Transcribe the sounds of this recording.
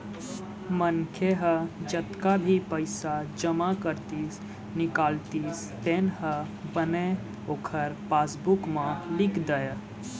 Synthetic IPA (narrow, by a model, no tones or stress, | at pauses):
mənkʰeɦəd͡ʒət̪kabʱipəɪsad͡ʒəmakəɾt̪is | nɪkaːlt̪is | t̪enhə | bəne | oːkʰəɾpasbukmãlɪkd̪əj